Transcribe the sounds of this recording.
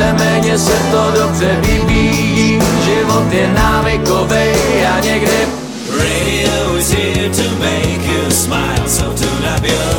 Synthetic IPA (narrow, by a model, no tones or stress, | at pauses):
ɛmɛːɲɛsɛt̪odobrɛbiːviːjiːʒɪvot̪jɛnaːvɪkovɛjaɲɛɡdɪ | ɹeɾioʊɪzhɪtʰumeɪkjosma̰ɪlˠsotʰunabɪ